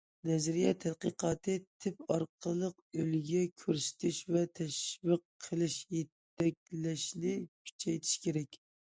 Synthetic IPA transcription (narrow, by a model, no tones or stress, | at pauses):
nɛzɾijɛt̪ʰæd̪qəqʰɑːt̪ʰɨt̪ʰɪpɑɾqʰəlˠəq | ølɡʲɛkʲʰøɾsy̥t̪ʰɪʃvɛt̪ʰɛʃvəqʰːəlˠɪʃjet̪ː | ɛk̚ʲlɛʃnɪkʲʰy̥t͡ʃʰɛjt̪ʰɪ̥ʃkʲʰeɾɛkʲ